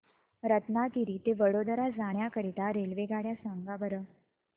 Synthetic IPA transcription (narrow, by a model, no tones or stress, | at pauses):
ɾət̪nak̪iɾiːt̪eʋəɽod̪ɾad͡zaɳjakəɾit̪aɾelʋeɡaɽjasãŋɡabəɾə